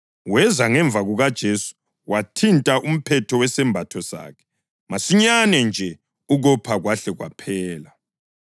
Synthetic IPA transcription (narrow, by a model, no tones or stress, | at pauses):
wɛzaŋɛɱb̪vʱaɣuɣad̥ʒ̥ʱesu̥ | watʰintʼaʔum̩pʰɛtʰɔwɛsɛmbʱatʰɔsa̰ːkʰɛ̥ | masiɲanɛnd͡ʒʱɛ | uɣɔpʰaɣwaɬɛɣwa̰pʰɛːla